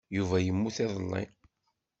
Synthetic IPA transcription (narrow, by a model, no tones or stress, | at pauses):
juvæjəmːuθɪðˤəlːḭ